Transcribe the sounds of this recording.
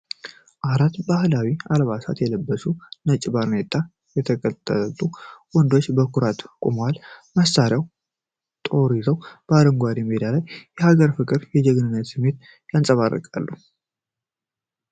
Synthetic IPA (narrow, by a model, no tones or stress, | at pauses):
ʔaɾat̪bahlawialβasa̰t̪jɛləbːəsunət͡ʃʼːɪbaɾnet̪ʼːa | jɛt̪ʰəkʼət̪ʼːət̪ʼuwɔnd̪o̞t͡ʃːbəkuɾat̪kʼumwalməsaɾijaw | t̪ʼo̞ɾizəwb̥əad̪əŋɡʷad̪imed̪alajːɛhaɡəɾfɨkʼɨɾjɛd͡ʒɛɡnɨnːət̪sɨmːe̞t̪ | jansʼəβarːə̰kʼa̰lːu